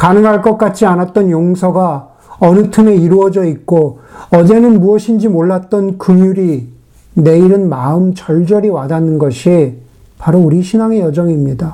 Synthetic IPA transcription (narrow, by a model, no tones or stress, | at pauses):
kanɯŋɦaɭk͈ʌk̚k͈at͡ɕ͈ʰianat̚t͈ʌnjoŋsʰʌɡa | ʌnɯtʰɯme̞iɾuʌd͡ʑʌik̚k͈oʌd͡ʑe̞nɯnmuʌɕʰind͡ʑimoɭːat̚t͈ʌnkɯmjuɾi | ne̞iɾɯnmaɯmt͡ɕʌɭd͡ʑʌɾiwadanɯnɡʌɕʰi | paɾouɾiɕʰinaŋe̞jʌd͡ʑʌŋimɲida